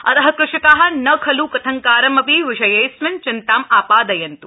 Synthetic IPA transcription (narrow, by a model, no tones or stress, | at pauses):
ɐ̰t̪ɐɦɐ̆kɾɪʃɐkaːɦɐ̆nɐkʰɐlukɐt̪ʰɐŋkaːɾɐmɐbiʋɪʃɐjɐjsmɐnt͡ʃɪnt̪aːmaːpaːd̪ɐjɐnt̪u